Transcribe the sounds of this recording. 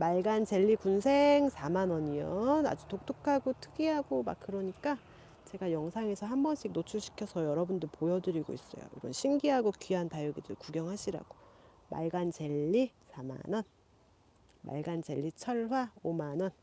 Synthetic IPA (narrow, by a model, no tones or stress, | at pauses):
maɭɡant͡ɕe̞ʎːikunsʰe̞ŋsʰamanʌɲijʌna̰d͡ʑutok̚t͈ɯkʰaɡotʰɯɡiɦaɡoma̰k̚k͈ɯɾʌɲik͈a | t͡ɕe̞ɡajʌŋsʰaŋe̞sʰʌɦambʌnɕʰik̚not͡ɕʰuɭɕʰi̥kʰjʌsʰʌjʌɾʌbundɯɭpojʌdɯɾiɡo̰is͈ʌ̰jo̰ḭɾʌnɕʰimɡiɦaɡokiɦantajɯɡidɯɭkuɡjʌŋɦaɕʰiɾa̰ɡ̥o | ma̰ɭɡant͡ɕe̞ʎːisʰama̰nʌn | ma̰ɭɡant͡ɕe̞ʎːit͡ɕʰʌɭɦwaomanʌn